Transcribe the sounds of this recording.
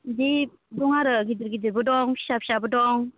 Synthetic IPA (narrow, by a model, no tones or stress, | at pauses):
di | dɔŋaɾɯɡidɯɾɡidɯɾbɯdɔŋpʰi̥sapʰi̥sabɯdɔŋ